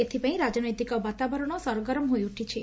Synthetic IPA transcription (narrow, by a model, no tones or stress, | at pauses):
et̪ʰipãĩɾad͡ʒnɔjt̪ikɔbat̪abɔɾɔɽ̃osɔɾɔɡɔɾɔmɦojuʈʰit͡ʃʰi